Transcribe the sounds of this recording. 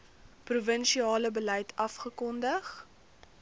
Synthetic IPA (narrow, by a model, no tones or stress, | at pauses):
pruvənʃiɑːləbəlɛjtʰɐfχəkɔndəχ